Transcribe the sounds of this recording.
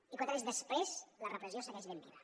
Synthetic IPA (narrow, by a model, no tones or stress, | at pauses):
ikwanezðəspɾezlərəpɾəzjosəɣɛʒβembḭβa